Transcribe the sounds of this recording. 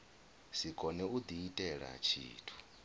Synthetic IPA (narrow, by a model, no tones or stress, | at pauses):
sikʰʼɔnɛud̪iitʼɛɺa̰t͡ʃʰḭːtʰu̥